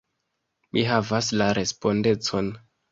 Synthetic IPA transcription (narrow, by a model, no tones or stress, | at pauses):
mʔiɦavaslaɾʔe̞spo̞nde̞t͡so̞n